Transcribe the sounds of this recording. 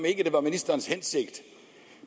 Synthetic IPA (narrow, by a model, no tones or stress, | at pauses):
me̝ɡ̥əd̥e̝ʋɑ̈minisd̥ɐːn̩shense̝ɡ̥d̥